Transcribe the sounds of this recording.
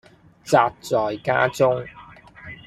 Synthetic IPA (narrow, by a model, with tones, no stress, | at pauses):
t͡saː˨˧t̚t͡sɔː˨jka̰ː˥t͡sʊ˥ŋ